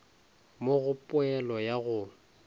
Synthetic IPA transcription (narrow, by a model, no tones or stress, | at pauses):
moɣʊpʼʊɛlɔjaɣʊ